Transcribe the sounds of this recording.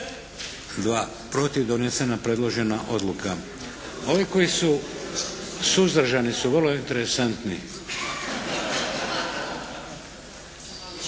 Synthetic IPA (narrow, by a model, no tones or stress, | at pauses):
d̪ʋaː | pɾo̞t̪iʋd̪o̞nese̞napɾe̞d̪lo̞ʒe̞naʔo̞d̪lˠuka | o̞ʋiko̞jisu | suzd̪ɾ̩ʒanisuʋrloint̪e̞ɾe̞sant̪ni